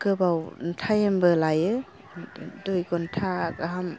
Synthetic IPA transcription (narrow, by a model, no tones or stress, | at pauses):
kɯbawntʰajembɯlajɯ | dɔjkɔntʰaɡaɦam